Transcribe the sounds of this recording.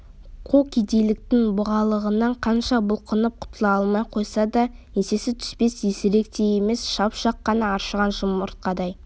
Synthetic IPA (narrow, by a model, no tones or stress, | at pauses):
qʰokʲid̪e̞jlɪk̚t̪ɪŋbʊʁɑlˠəʁənɑɴqʰɑnʃɑbʊlˠqənəp̚qʰʊ̥t̪əlˠɑɑlˠmɑjqʰo̞jsɑd̪ɑ | ese̞sɪt̪ʰʏ̥spe̞sesɪɾe̞k̚t̪e̞je̞me̞sʃɑpʃɑqːɑnɑːɾʃəʁɑnʒʊməɾt̪̚qɑd̪ɑj